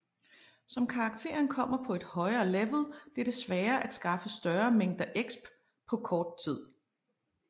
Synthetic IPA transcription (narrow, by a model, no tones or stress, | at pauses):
sɒ̽mkʰɑ̈ːɡ̥̚t͡sʰe̝̰ɐnkʰɒ̽m̰ɐpʰɒ̽e̝d̥hɒ̽ɪɐːleʋl̩ˠb̥liɐɾ̥e̝sʋæːɐʔæd̥sɡ̥ɑ̈fəsd̥ɶɐːmeŋ̰d̥ɐʔeɡ̥sb̥ | pʰɒ̽kʰɒːd̥̚t͡sʰið̰ˠ